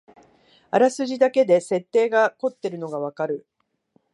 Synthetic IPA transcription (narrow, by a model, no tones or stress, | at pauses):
aɾasɨʑid̪ake̞d̪e̞se̞t̪ːe̞ːɡako̞t̪ːe̞ɾɯ̟no̞ɡaβ̞akaɾɯ̟